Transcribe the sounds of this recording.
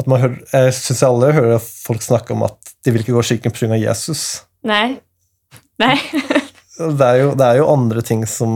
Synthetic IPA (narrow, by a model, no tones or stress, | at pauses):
ɑt̪mɑnɦøːjæɪsʏnsjæɪɑlːəɦøːɾəɑfɔlksnɑkːəɾɔ̰mɑ̰t̪d̪̥ɪʋɪlɪkːəɡoːʂɪkːənpʰɾʉŋɑʋjḛːsʉs | naɪ | næɪ | d̪ɛæɾjʊd̪ɛæɾjʊʔɑnd̪ɾət̪ʰɪŋsɔm